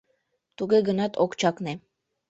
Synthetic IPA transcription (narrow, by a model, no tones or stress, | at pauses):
t̪uɡeɡɤ̆nɑt̪ʰokt͡ʃɑkne